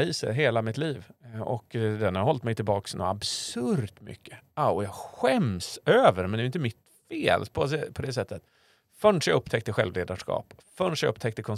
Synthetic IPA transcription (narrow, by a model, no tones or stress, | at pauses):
iːsə̰ɾɦeːlamɪt̪liːvɔ̰kd̪ɛnhaɾhɔlt̪mɛjt̪ʰɪlbɑːksnṵabsɵɾt̪mʏ̰kʰːə̥aɔjɑːɧɛmsøːvəɾmɛnɛjɪnt̪əmɪt̪ | feːlpʰɔs̬ɛpʰɔd̪ɛsɛt̪ːət̪ | fœɳʂɛɵpt̪ʰɛkt̪əɧɛlvleːd̪aʂkɑ̰ːp | fœɳʂɛjɵ̰pːt̪ʰɛk̚t̪əkʰɔn